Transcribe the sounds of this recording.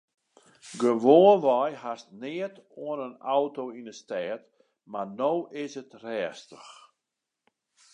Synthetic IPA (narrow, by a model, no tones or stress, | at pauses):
ɡəʋoːnʋɔjhastnɪətoənənawtoːinəstɛːt | manowʔɪsətrɛːstəx